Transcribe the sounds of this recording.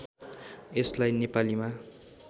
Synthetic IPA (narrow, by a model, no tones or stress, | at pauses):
eslajnepalima